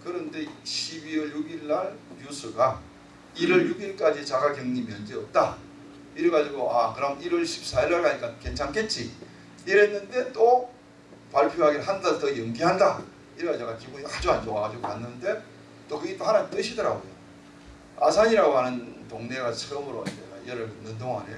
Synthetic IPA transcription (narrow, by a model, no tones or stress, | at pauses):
kɯɾʌnde̞ɕʰibiʌɭjuɡiɭːaɭjusʰɯɡa | iɾʌɭjuɡiɭk͈ad͡ʑit͡ɕaɡakjʌŋɲimjʌnd͡ʑeʌp̚t͈a | iɾɯɡad͡ʑiɡoʔakɯɾʌmiɾʌɭɕʰi̥p̚s͈aiɭːaɭkaɲik͈anke̞nt͡ɕʰaŋke̞t̚t͡ɕ͈i | iɾenːɯnde̞t͈o | paɭpʰjoɦaɡiɾɦandadtʌjɯŋɡiɦanda | iɾɯɡad͡ʑaɡad͡ʑiɡoad͡ʑuɦand͡ʑoaɡad͡ʑiɡokanːɯnde̞ | t͈okɯɡit͈ohanaɲit͈ɯɕʰidʌɾaɡojo̰ | a̰sʰaɲiɾaɡoɦanɯntoŋne̞ɡasʰɯɡɯmɯɾo̰eaieɾɯɭminːɯndoŋa̰ne